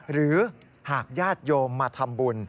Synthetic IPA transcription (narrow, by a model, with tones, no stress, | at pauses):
ɾɯː˩˦ | haː˨˩k̚jaː˥˩t̪̚joː˧mːaː˧t̪ʰa˧mbu˧n